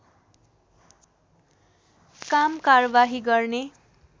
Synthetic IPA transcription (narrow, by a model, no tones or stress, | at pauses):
kamkarʌbaɦiɡʌrne